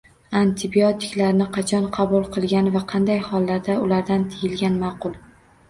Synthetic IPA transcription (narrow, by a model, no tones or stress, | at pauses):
ant̪ʰɪbijot̪ʰɪ̥kʲlaɾɪnɪqʰɑt͡ʃʰɒnqʰɑbʊlˠqʰɨlˠɡʲanvaqʰɑnd̪ajhɒlˠːaɾd̪aʊlaɾd̪ant̪ʰɪjɪlɡʲanmɑːqʊlˠ